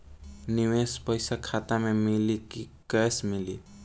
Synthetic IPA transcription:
nɪwespəɪsakʰat̪amẽmɪlikikɛsmɪli

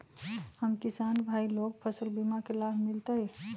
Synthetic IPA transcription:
həmkisanbʱailoɡ̚pʰəsəlbimakelabʱmilt̪əj

